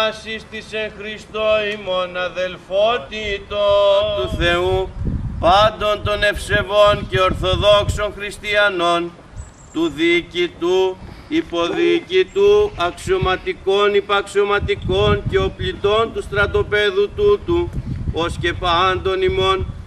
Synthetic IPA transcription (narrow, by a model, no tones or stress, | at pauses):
ɐsist̪isexɾist̪oimo̞nɐðe̞lfot̪it̪ot̪uθe̞upɐnd̪o̞nd̪o̞ne̞fse̞vo̞nce̞o̞ɾθo̞ðo̞kso̞nxɾist̪iɐno̞n | t̪uðicit̪uipo̞ðicit̪uɐkso̞mɐt̪iko̞nipɐkso̞mɐt̪iko̞nce̞o̞plit̪o̞nt̪ust̪ɾɐt̪o̞pe̞ðut̪ut̪uosce̞pɐnd̪o̞nimo̞n